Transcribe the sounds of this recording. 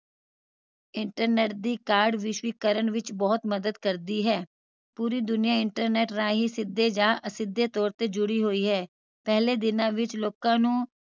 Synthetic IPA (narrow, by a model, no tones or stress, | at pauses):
ɪɳʈəɾneːʈ̚d̪iːkaːɾɖʋɪʃʋiːkəɾəɳʋɪt͡ʃbɔːt̪məd̪əd̪kəɾd̪iːɦɛː | puːɾiːd̪ʊnɪjãːɪɳʈəɾneːʈɾãːɦiːsɪd̪ːeːd͡ʒaːʔəsɪd̪ːeːt̪ɔːɾt̪eːd͡ʒʊɽiːɦoːiːɦɛː | pɛɦleːd̪ɪnãːʋɪt͡ʃloːkãːnũː